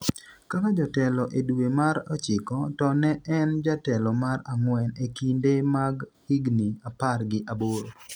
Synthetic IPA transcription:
kakad͡ʒɔtɛlɔʔeduemaɾɔt͡ʃɪkɔtɔnɛɛnd͡ʒatɛlɔmaɾaŋwɛnekindemaɡhiɡniaparɡɪʔaboɾo

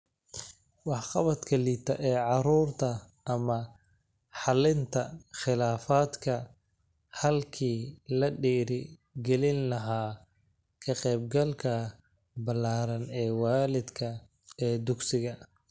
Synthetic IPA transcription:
wɑħqɑβɐd̪kʰɐliːt̪ʰɐʔɛːʕɑɾuːrt̪ʰɐ | ʔɐmɐ | ħɑlɪnt̪ʰɐχɪlaːfaːd̪kʰɐ | hɐlkʰiːlɐɖiːɾɪ | ɡɛlɪnlɐɦaː | kʰɐqɛːb̚ɡɐlkʰɐ | bɐlːaːɾɐnɛːwaːlɪd̪kʰɐ | ɛːd̪ʊɡsɪɣɐ

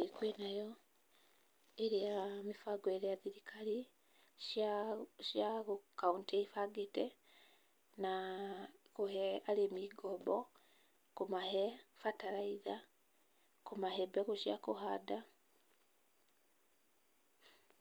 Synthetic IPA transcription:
ekwenajɔ | eɾijamifaɡwɛɾɛaðiɾikʰaɾi | ʃjaɣukaunteifaɡetɛ | na | kohɛalemiːɡɔbɔ | komahɛfataɾaiða | kumahɛbɛɣuʃja̰kohada

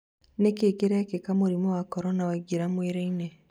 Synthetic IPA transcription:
nekeːkeɾekekamuɾimowakɔɾonaweɡiɾamweɾeine

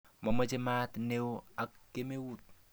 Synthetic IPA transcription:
mamət͡ʃemat̪newakːemewut̪̚

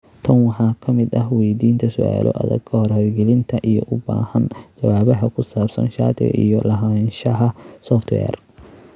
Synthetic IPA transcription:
t̪ʰɐnwɑħɑːkʰɐmɪd̪ɐɦwɛjd̪iːnt̪ʰɐsʊʔa̰ːlɔ̰ʔɐ̰ðɐ̰ɡkʰɐhɔrhɔjɡɛlɪnt̪ʰɐʔijɔʔʊba̰ːhɐnd͡ʒɐwaːβɐɦɐkʰʊsaːbsɐ̰nʃa̰ːt̪ɪ̰ɣɐ̰ʔijɔlɐɦɐɛːnʃɐɦɐsɔft̪ʰwɛ̰ːr

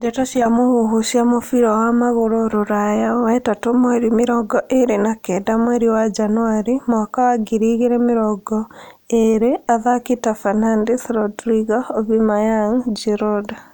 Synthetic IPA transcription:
d͡ʒetasjamohuɦusjamofiɾowamaɣoɾoɾoɾajawɛtatomweɾimiɾɔɡɔʔeɾenakɛdamweɾiwad͡ʒanuaɾimakawaɡiɾiɣiɾemiɾɔɡɔ | eɾeaðakitafanandiθɾodɾiɡaoβimajaŋd͡ʒiɾoda

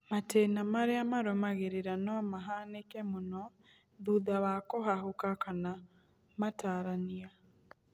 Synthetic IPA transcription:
matɛːnamaɾeamaɾomaɣeɾeɾanɔmaɦanekɛmonɔ | ðuðawakoɦaɦokakana | mataːɾania

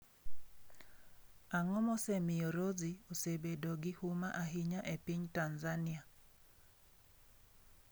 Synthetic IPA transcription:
aŋɔmɔsemɪoɾoziosebedoɡɪhumaʔaɦiɲaʔepiɲtanzanɪa

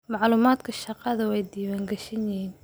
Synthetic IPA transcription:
mɑʕluːmaːd̪kʰɐʃɑqɑðɐwɛjd̪iːwaːŋɡɛʃɪnjɪɦiːn

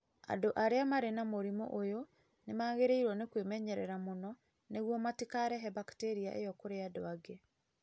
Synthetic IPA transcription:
a̰doʔaɾeamaɾenamoɾimo̰ʔojo | nemaːɣeɾeiɾwɔnekwemɛɲɛɾɛ̰ɾamonɔ | neɣwɔmatikaɾɛɦɛbakteɾia̰ʔejɔkoɾeadoaɡe

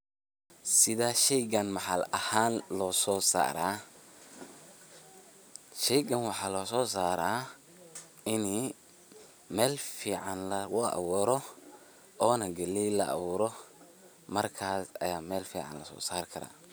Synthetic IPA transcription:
sɪðaːʃɛjɡɐnmɐħalɐhaːnlɔːsɔːsa̰ːɾa̰ː | ʃɛjɡɐnwɑħɑːlɔːsɔːs̬aːɾaː | ɪni | mɛːlfiːʕɑnlɐwʊɐ̰βuːɾɔ | ʔɔːnɐɡɐlilɐ̰ʔɐ̰βuːɾɔ | mɐrkʰaːsɐ̰jaːmɛːlfḭːʕɑ̰nlɐsɔ̰ːsaːrkʰɐɾa̰ː

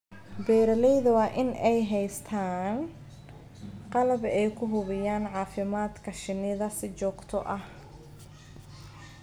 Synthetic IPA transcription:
bɛːɾɐlɛjðɐwɑːʔɪnɛjɦɛjst̪ʰaːn | qɑlɐbɛjkʰʊɦʊβɪjaːnʕɑːfɪmaːd̪kʰɐʃɪnɪðɐsɪt͡ʃɔːɡt̪ʰɔʔɐh

